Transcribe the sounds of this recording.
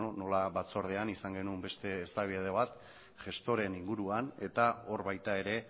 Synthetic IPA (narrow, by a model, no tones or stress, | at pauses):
ono̞laβat͡so̞ɾð̞eanisaŋɡe̞numbe̞st̪e̞ːst̪aβieð̞eβ̞at̪ | ʝe̞st̪o̞ɾe̞niŋɡuɾuane̞t̪ao̞ɾβajt̪ae̞ɾe̞